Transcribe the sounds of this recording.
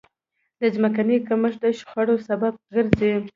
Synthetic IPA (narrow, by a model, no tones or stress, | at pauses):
d̪əzmakanikaməʂd̪aʃxwaɽosabab̚ɡəɾze